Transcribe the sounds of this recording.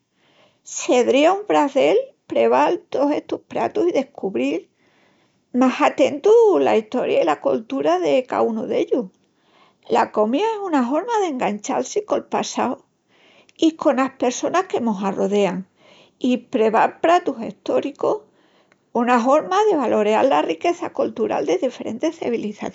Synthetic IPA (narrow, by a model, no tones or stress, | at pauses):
se̞ðɾiauɱfɾaθe̞lpɾe̞βalt̪ose̞ht̪uhpɾa̰t̪usiðe̞hkuβɾiɾ | masat̪e̞nt̪ula̰iht̪o̞̰ɾjailakolt̪uɾaðe̞ka̰unuðeʎu | la̰ko̞mjaesunaɦo̞ɾmaðe̞ŋɡaɲt͡ʃa̰lsiko̞lpasao | iko̞nahpe̞ɾso̞nahke̞mosaro̞ðe̞aŋ | ipɾe̞βaɾpɾat̪use̞̰ht̪o̞ɾiko̞h | unafo̞ɾmaðe̞βalo̞ɾea̰ɾlarike̞θakult̪uɾa̰ld̪e̞ðife̞ɾʔe̞̰nt̪e̞hθa̰βiliθa̰